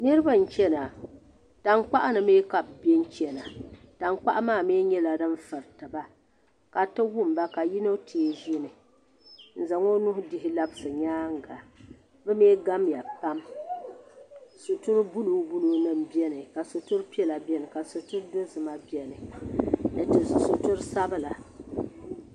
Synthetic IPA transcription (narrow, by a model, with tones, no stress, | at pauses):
nɨ˦ɾɨ˦ba˦n̩˨t͡ʃɛ˦na˨ | ta˨ŋ˦k͡pa˦ʔa˦nɨ˨meː˦ka˨bbɛ˦n˦t͡ʃɛ˨na˨ | ta˨ŋ˦k͡pa̰˦ʔa˦maː˦˨meː˦ɲɛ˦la˨dɨ˦ɱ˦fɨ˨ɾtɨ˨ba˦ | ka˨tɨ˦wʊ˦m˨ba˦ka˨ji˦no˦tʰi˨˦ʒi˦nɨ˨ | n̩˨za˨ŋo˦nʊ˦hʊ˦dɪ˦hɪ˦la˦bɨ˦sɨ˨ɲaː˦ŋ˦ɡa˨ | bɨ˦meː˦ɡa˦mja˨pa˦m | su˨tu˦ɾɨ˦bu˦lu˨˦bu˦lu˨nɨ˦mbi˦ɛ˦nɨ˨ka˨su˨tʊ˦ɾpi˦ɛ˦la˨bɛ˦nɨ˨ka˨so˨tʊ˦ɾdo˦zɨ˨ma˦bi˦ɛ˨nɨ˨ | nɨ˨tɨ˨su˨tʊ˦ɾsa˦bɨ˦la˨